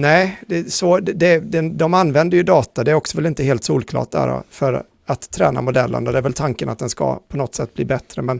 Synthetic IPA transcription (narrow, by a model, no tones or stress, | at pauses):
nɛɪd̪ɛsɔɛd̪ɛd̪ɛd̪ɔmanːvɛnd̪əɾjɵd̪ɑːt̪ad̪ɛæɾɔksɔvɛlɪnt̪əheːlt̪suːlkʰlɑ̰ːʈ̚d̪æ̰ːɾɔ̰fœɾ | at̪ʰːɾɛ̰ːnamʊd̪ɛlːə̰nd̪ɔd̪ɛæɾvɛlt̪ʰaŋkənʔat̪̚d̪ɛnska̰pʰɔnɔt̪ːsɛt̪ːbliːbɛt̪ːɾəmɛn